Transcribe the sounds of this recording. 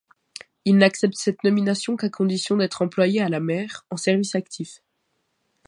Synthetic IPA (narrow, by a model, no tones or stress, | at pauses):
ilnaksɛp̚t̪sɛt̪nɔminasjɔ̃kakʰɔ̃d̪isjɔ̃d̪ɛt̪χɑ̃plwajealamɛːʁɑ̃sɛʁvisakt̪ʰif